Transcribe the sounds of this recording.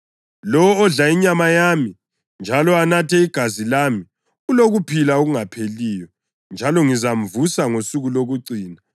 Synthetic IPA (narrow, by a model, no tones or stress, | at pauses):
lɔwɔːɮaiɲamajami | nd͡ʒʱalɔanatʰɛiɡ̥ʱazilami | uloɣupʰilaoɣuŋapʰeliːjɔ | nd͡ʒʱalɔŋizam̩vusaŋosuɣuloɣuǀiːna